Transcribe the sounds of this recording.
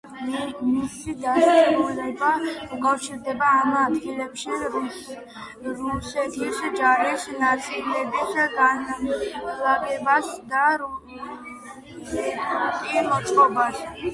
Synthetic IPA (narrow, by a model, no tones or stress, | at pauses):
misid̪asaulɛbaukʼafʃiɾd̪ɛbaːmad̪ɡilɛpʃi | ɾusɛt̪ʰiʃid͡ʒaɾisnat̪sʼilɛbisɡan | laɡɛbasd̪aɾ | ʃɛmɔt̪sʼqʼɔbas